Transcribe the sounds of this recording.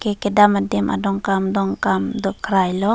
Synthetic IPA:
kekedamadimʔa̰dɔŋkamdɔŋkamdɔkɾajlɔ

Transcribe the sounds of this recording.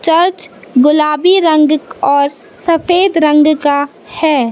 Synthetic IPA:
t͡ʃɐɾt͡ʃɡʊlaːbiɾə̃ŋɡɔːɾ | sɐfeːd̪ɾə̃ŋɡka | hɛː

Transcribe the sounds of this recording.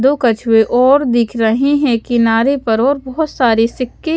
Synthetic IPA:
d̪okɐt͡ʃʰweʔʔɔːɾd̪ɪkʰɾɐɦiɦɛ̃kɪnaːɾepɐɾɔːɾbɔɦʊt̪saːɾisɪkːe

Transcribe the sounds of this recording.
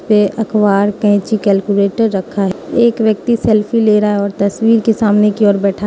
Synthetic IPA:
peʔɐkʰwaːɾkə̃ɪ̃t͡ʃikɛːlkuleːʈəɾːəkʰaɦɛeːkʋjək̚t̪isɛlpʰileːɾaːeɔːɾt̪ɐswiːɾkesaːmnekiɔːɾbɛːʈʰa

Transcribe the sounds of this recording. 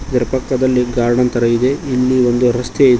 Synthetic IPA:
d̪iɾɐpɐkːɐd̪ɐlːiɡaːɾɳɐnt̪ɐɾɐid̪e̞ilːiond̪uɾɐst̪eid̪

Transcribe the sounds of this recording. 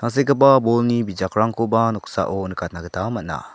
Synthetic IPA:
naŋs̬ekəpabɔlnibid͡ʒakɾaŋkʰobanɔksa̰ʔɔnəkʰat̚naɡətʰamat̚na̰

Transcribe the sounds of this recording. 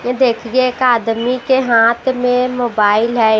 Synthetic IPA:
jẽd̪eːkʰiɡeekaːd̪mikeɦãːt̪ʰmẽmoːbaːɪlɦɛ

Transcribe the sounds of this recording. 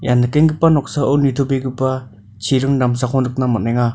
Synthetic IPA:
janːɯkeŋɡɯpanɔk̚saɯnit̪ʰobeɡɯpːa | t͡ʃʰiɾɯŋdamsakʰɔnɯk̚namɔnaŋa

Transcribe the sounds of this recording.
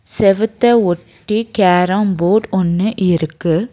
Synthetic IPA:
sɛʋɯt̪ːɐɔʈːikaːɾaːmboːʈɔnːɯʔɪɾɯkːɯ

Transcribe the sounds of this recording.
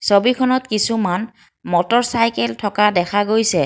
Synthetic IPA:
sobikʰɔnɔtkisuman | mɔtɔɹsajkɛltʰɔkadɛkʰaɡojsɛ

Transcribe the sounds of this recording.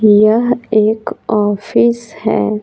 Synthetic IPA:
jɐɦeːkɔːfiːshɛ̰ː

